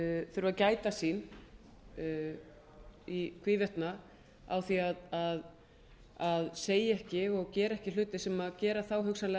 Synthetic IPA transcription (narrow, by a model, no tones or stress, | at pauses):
θœɾvaðcaːjt̪asiːn | ikʰviːvɛht̪na | a̰wθiaðað | aðseːjɛhcɪɔɣcɛːɾaɛhcɪl̥ʏːt̪ɪsɛmaðcɛːɾaθawɦʏksanlɛ